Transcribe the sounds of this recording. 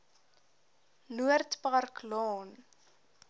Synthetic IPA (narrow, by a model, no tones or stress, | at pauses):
nuərtparklɔn